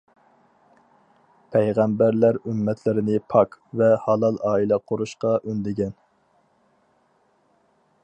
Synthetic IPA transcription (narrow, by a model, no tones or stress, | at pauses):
pʰɛjʁæmbæɾlæɾymːɛt̪ʰlɪɾɪnɪpʰɑkvɛhɑlˠɑlˠɑːilɛqʰoɾuʃqɑʔønd̪ɪɡʲɛn